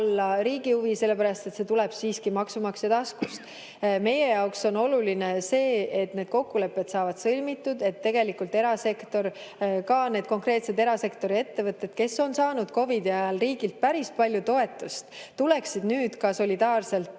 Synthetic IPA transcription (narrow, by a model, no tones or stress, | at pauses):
lːɑɾiːɡihuvise̞lːe̞pæɾɑst̪e̞t̪se̞t̪ulɛb̥siːskimɑksumɑksɑd̪̥ɑskust̪ | me̞je̞jɑokso̞no̞lulinese̞ːet̪ne̞d̪̥̚ko̞kːule̞pːˑe̞d̪sɑːvɑd̪̥sɤlʲmit̪ːˑud̪̥e̞t̪ːe̞ɡe̞likːˑult̪e̞ɾɑse̞kt̪o̞r | kɑne̞ːd̪̥̚ko̞ŋkre̞ːt̪se̞d̪e̞ɾɑse̞kt̪o̞ɾie̞t̪ːe̞vɤt̪ːˑe̞d̪̥ke̞sːo̞nsɑːnud̪̥ko̞vid̪iɑjɑlriːɡ̥ilt̪̚pæɾispɑlʲjut̪o̞e̞t̪ːˑust̪t̪ule̞ksid̪̥nyːd̪̥kɑso̞lʲid̪ɑːrse̞lt̪